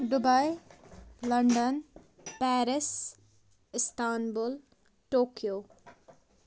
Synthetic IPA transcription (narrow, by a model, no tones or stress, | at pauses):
ɖʊbaj | lɐɳɖən | pɛːɾɪs | ɪst̪aːnbʊl | ʈoːkijoː